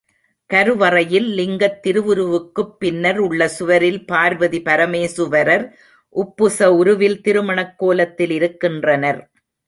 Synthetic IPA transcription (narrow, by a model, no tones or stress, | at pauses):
kɐɾɯʋɐrɐjɪllɪŋɡɐt̪ːɪɾɯʋɯɾɯʋɯkːɯpːɪnːɐɾʊɭːɐsʊʋɐɾɪlpaːɾʋɐðipɐɾɐmeːsɯʋɐɾɐɾ | ʔʊpːɯsɐʊɾɯʋɪlt̪ɪɾɯmɐɳɐkːoːlɐt̪ːɪlɪɾɯkːɪndrɐnɐɾ